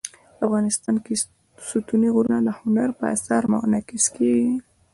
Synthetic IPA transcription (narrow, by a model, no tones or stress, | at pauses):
afɣɑnɪst̪ɑnke | sut̪uniɣuɾunalahʊnaɾpəa̰saɾmɑ̰nɑkɪskeɡi